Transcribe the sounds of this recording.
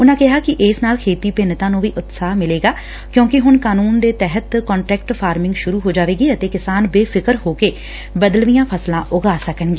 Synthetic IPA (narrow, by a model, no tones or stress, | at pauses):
ʊnãːkɪɦaːkɪʔeːsnaːlkʰeːt̪iːpɪnt̪ãːnũːʋiːʔʊt̪saːɦmɪleːɡaː | kjõːkɪɦʊnkaːnuːnd̪eːt̪ɛɦət̪kɔːɳʈɾɛːk̚ʈpʰaːɾmɪ̃ŋɡʃʊɾuːɦoːd͡ʒaːʋeːɡiːət̪eːkɪsaːnbeːpʰɪkəɾhoːkeː | bəd̪əlʋijãːpʰəslãːʔʊɡaːsəkəɳɡiː